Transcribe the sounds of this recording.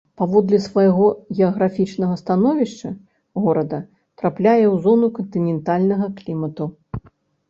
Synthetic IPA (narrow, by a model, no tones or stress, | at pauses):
pavɔd̪lʲɛsvajɣɔɣʲɛɐɣɾafʲit͡ʂnɐɣɐst̪an̪ɔvʲiʂt͡ʂɐ | ɣɔɾɐd̪ɐ | t̪ɾaplʲajɛwzɔnukɐnt̪ɨnʲɛnt̪alʲnɐɣɐklʲimɐt̪u